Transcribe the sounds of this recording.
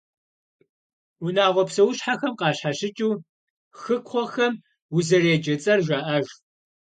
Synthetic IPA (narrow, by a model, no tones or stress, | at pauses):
unaːʁʷɔpsɐwʊɕħaxɐmqɑːɕħaʃɪt͡ʃʼuː | xɨkʷʰχʷɔxɐm | wʊzɐreːd͡ʒɐt͡sʼɐrʒʷaːʔɐʒ